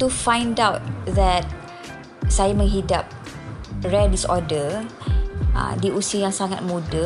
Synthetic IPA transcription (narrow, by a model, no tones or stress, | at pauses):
t̪ufãj̃ndawt̚ðɛt̚ | sajamə̃ŋɦidap̚ | ɹɛdisɔdə | ʔə̰̃diusiəjãŋsaŋat̚mudə